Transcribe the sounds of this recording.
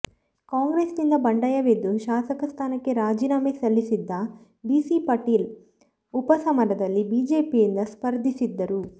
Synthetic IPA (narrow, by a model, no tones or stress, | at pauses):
kaːŋɡɾeːsnind̪ɐbɐɳɖɐjɐʋed̪ːuʃaːsɐkɐst̪ʰaːnɐkːe̞ɾaːd͡ʒiːnaːmesɐlːisid̪ːɐ | biːsipɐʈiːl | upɐsɐmɐɾɐd̪ɐlːibiːd͡ʒe̞ːpijind̪ɐspɐɾd̪ʱisid̪ːɐɾu